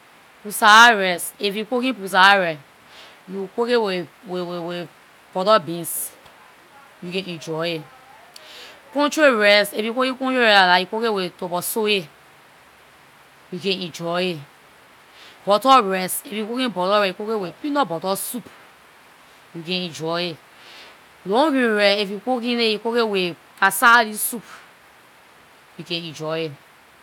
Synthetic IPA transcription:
pusaaɹɛsefjukokĩpus̬aaɹɛ | jukokewewewewe | b̥ɔtɔbĩns | jukɛ̃ɛ̃d͡ʒɔe | kɔ̃nt͡ʃɾeɹɛsefjukokĩkɔ̃t͡ʃeɾɛalajukokewetobɔsoe | jukɛ̃nĩd͡ʒɔe | bɔtɔɹɛsefjukokĩbɔtɔɾɛiukokewepinɔbɔtɔsup | jukɛ̃ĩd͡ʒɔje | lõɡĩɾɛefjukokĩnejikokewe | pasaɾisup | jukɛ̃nĩd͡ʒɔe

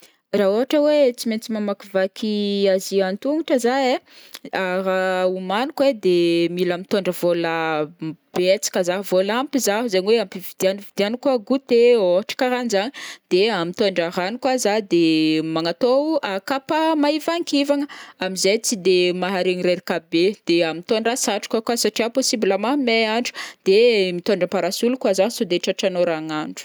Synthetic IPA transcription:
raoɦaʈ͡ʂəwet͡siment͡simamakivakʰiaziant̪uŋiʈ͡ʂəzaeaɾaumanukwed̪emilamit̪oɳɖ͡ʐəvola | b̥et͡si̥kʲəzaɦvolampizaɦzaɲiweampivid̪ianvid̪ianikaɡut̪eoɦaʈ͡ʂə̥kaɾanizaɲid̪̥eamit̪oɳɖ͡ʐaranikwazad̪emaŋat̪oakapamaivaŋkivaŋəamizejt͡sid̪emaɦaɾeŋiɾeɾikabed̪̥eamit̪onrasaʈ͡ʂu̥kakwasaʈ͡ʂiaposibilamameaɳɖ͡ʐu̥d̪̥emit̪oɳɖ͡ʐəmpaɾasulukwazasud̪eʈ͡ʂaʈ͡ʂanoɾaŋaɳɖ͡ʐu̥

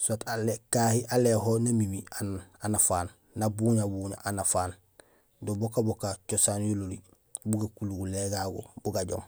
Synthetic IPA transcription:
saːtalekaːhiʔaleɦonamimiananafaːnː | abuɲabuːɲa̰ʔanafaːn | dobokabokat͡ʃosaːnjololi | buɡakuluɡuleɡaɡo̰buɡaɟo̰m

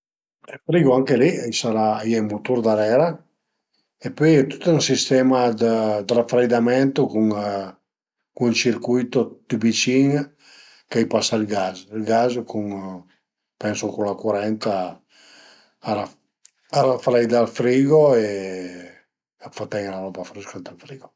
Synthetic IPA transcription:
ɛlfɾiɡoaŋkeliɛjsaɾaːjɛjmut̪uɾd̪aɾɛɾa | epøjɛt̪u̥t̪unsist̪ɛmad̪əd̪ɾafɾajd̪amɛnt̪okuŋ | kuŋt͡ʃiɾkujt̪ot̪ibit͡ʃiŋ | kajpasailɡazilɡazkʰuŋ | pɛnsokuŋlakuɾɛnt̪a | aɾa | aɾafaɾajd̪alfɾiɡoe | afat̪ɛŋlaɾɔpafɾuskad̪alfɾiɡo

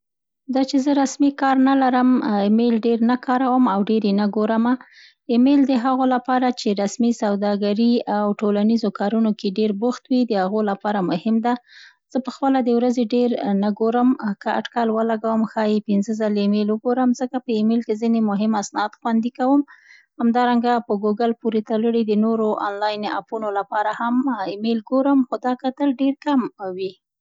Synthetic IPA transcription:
d̪ɑt͡ʃezəɾasmikɑɾnalaɾəmɪmelɖeɾnakɑɾawəmawɖeɾenaɡoɾəma | ɪmeld̪əɦaɣolapɑɾat͡ʃeɾasmisawd̪ɑɡaɾiawʈolanizokɑɾunokeɖeɾbʊxt̪wid̪əhaɣolapɑɾamʊhɪmd̪a | z̥əpəxpəlad̪əwɾazeɖeɾnaɡoɾəmkəa̰ʈkalwəlaɡawəmxɑjepɪnzəzaleːmelwəɡoɾəmzəkapəɪmelkezinemʊɦɪmasnɑd̪xwand̪ikawəm | hamd̪ɑɾaŋɡapəɡuɡalpuɾet̪aləɽid̪ənoɾoʔɑ̰nlɑjna̰punolapɑɾahamɪmelɡoɾəmxod̪ɑkat̪əlɖeɾkamwi

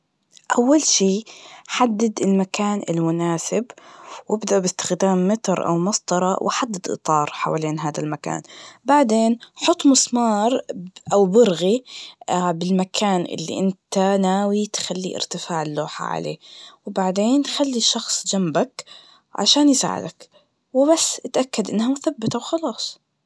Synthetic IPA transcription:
ʔawːalʃiːħad̪ːad̪ɪlmakaːnɪ̰lmʊnaːsɪbwɪbd̪aʔbɪst̪ɪ̥xd̪aːmːɪt̪ɾʔa̰wmɑsˤt̪ɑɾˤɑwʔɪħad̪ːad̪ʔɨ̰t̪ˤɑːɾˤħa̰waleːnɦaːd̪almaka̰ːnbaʕd̪eːnħʊt̪ˤːmʊsmɑːɾˤʔawbɪɾɣi | bɪlmakʰaːnʔɪ̰lːḭʔɪnt̪anaːwit̪xalːḭʔɪ̰ɾt̪ɪfaːʕɪlːoːħa̰ʕa̰lḛːwbaʕd̪eːnxalːiʃɑxsˤd͡ʒambak | ʕa̰ʃaːnjsa̰ːʕɪ̰d̪ak | wɪbasːʔɪt̪ʔakːad̪ʔɪnːhamʊθabːɪt̪awxɑlɑːsˤ

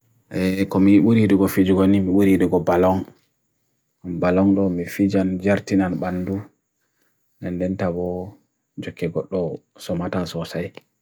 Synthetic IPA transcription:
ʔɛkɔmiɓuɾiɗuɡɔfid͡ʒuɡɔnimiɓuɾiɗuɡɔbalɔŋ | balɔŋɗɔmifid͡ʒand͡ʒaɾtinanɓanːdu | nɛndɛntabɔ | d͡ʒɔkːɛɡɔɗːɔ | sɔmatasɔsaj

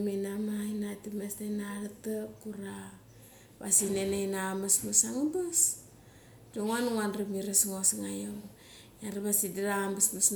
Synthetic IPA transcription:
menamainatimesnajnaɾatakuɾa | basinenajnaamasmusaŋabas | doŋanŋanrimiɾasŋosŋajoŋ | janrimasidiɾaambasmasn

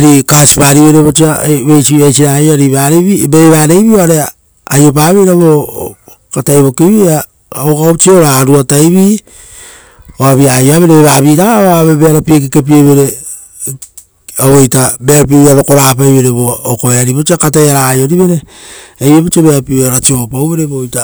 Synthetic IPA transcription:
ɾikasi̥paɾiβe̞ɾeβot͡ʃiaβejsiβajsiɾajoaɾiβaɾeβibeβaːɾe̞jβioaɾe | ajo̞p̬aːβejɾaβo | katajβo̞kiβia | okaot͡ʃioɾaɾuatajβi | oaβiajoaβeɾeβeβaβiɾaaβaβeβeaɾapiek̬ekep̬ioβeɾe | aβojtabeaɾapieβiaβoko̞ɾapajβeɾeβookoeaɾiβot͡ʃiakatajaɾajoɾiβe̞ɾeejβeβot͡ʃiaβeaɾapiaɾat͡ʃio̞pawβe̞ɾeβojta

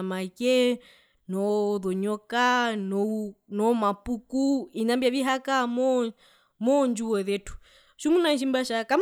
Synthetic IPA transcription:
makɛ | nɔðɔɲɔkanɔnɔmapukuinambiaβiɦakamɔ | mɔnd͡ʒuwɔðɛtu̥ | ʃumunanʃ̬imbaʃakam

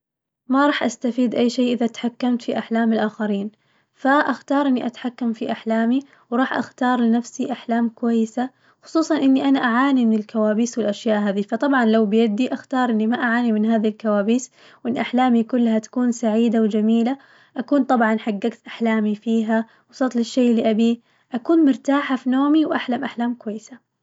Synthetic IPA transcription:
maɾˤɑːħʔast̪afiːd̪ʔajːʃeːʔɪðat̪ḁħakːamt̪fiʔaħlaːmɪlʔaːxaɾiːn | faʔaxt̪ɑːɾˤʔɪnːiʔat̪ħakːamfiʔaħlaːmi | wɾˤɑːħʔa̰xt̪ɑːɾˤlɪnafsiʔaħlaːmkʊwajːɪsa | xʊ̥sˤuːsˤɑnʔɪnːiʔanaʔaʕaːnimɪnɪlkawaːbiːswɪlʔaʃjaːʔɦaːðifɑt̪ˤɑbʕɑnlawbɪjad̪iʔaxt̪ɑːɾˤʔɪnːimaʔaʕaːnimɪnɦaːðilkawaːbiːs | wʔɪnːʔaħlaːmikʊlːhat̪ḁkuːnsaʕiːd̪awd͡ʒamiːla | ʔakuːnt̪ˤɑbʕɑnħaɡːaɡt̪ʔaħlaːmifiːɦa | wsˤɑt̪ˤlɪʃːeːʔlːiʔabi | ʔakuːnmʊɾt̪aːħafinoːmiwʔaħlamʔaħlaːmkʊwajːɪsa

